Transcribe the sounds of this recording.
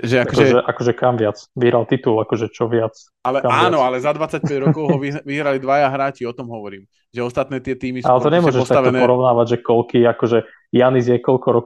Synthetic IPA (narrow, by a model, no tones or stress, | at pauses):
ʒɛaakɔkɔɛʒɛʔakɔʒɛkamʋɪat͡sʋiɦɾalt̪it̪ulakɔʒɛt͡ʃɔʋɪat͡s | alɛkaaːanɔalɛzad̪ʋat͡sac̚pɛɟɾɔkɔʊɦɔiʋiɦɾalid̪ʋajaɦɾaːt͡ʃiɔt̪ɔmɦɔʋɔɾiːm | ʒɛɔst̪at̪nɛːt̪ɪɛt̪iːmisa̰lɛt̪ɔɲɛmʊɔɔʒɛʃɔst̪aatɔɛpɔɾɔʊnaːʋaɟʒɛkɔlkiːakɔʒɛ | janizjɛkɔʎkɔɾɔk